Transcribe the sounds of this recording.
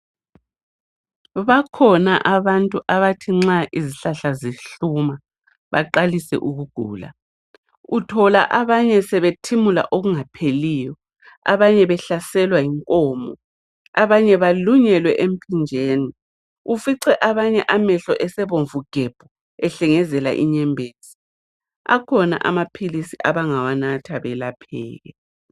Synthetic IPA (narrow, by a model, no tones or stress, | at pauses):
βakʰɔnaʔaβantʼuʔaβatʰiŋ͡ǁaʔiziɬaɬaziɬuma | βaǃalisɛ̰ʔuɣuɡ̥ʱṵːla̰ | utʰɔla̰ʔaβaɲɛsɛβetʰimula̰ʔoɣuŋapʰeliːjɔ | a̰βaɲɛβɛɬasɛlwaiŋkʼɔːmɔ | aβaɲɛβaluɲɛlwɛʔem̩pʰʼind͡ʒʱeːni | ufiǀɛʔaβaɲɛʔamɛɬɔʔɛsɛβoɱvuɡ̥ʱɛb̥ʱɔ | ɛɬɛŋɛzɛla̰ʔiɲɛmbʱeːz̥i̥ | a̰kʰɔna̰ʔa̰mapʰilisiʔaβaŋawanatʰaβɛlapʰɛ̰ːɣɛ̰